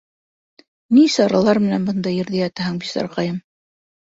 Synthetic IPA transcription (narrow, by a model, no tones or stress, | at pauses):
nisɑɾɑlˠɑɾmɘ̆nænbɤ̆nd̪ɑjɘ̆ɾðæjɑt̪æɦɘŋbisɑ̰ɾqɑjɤm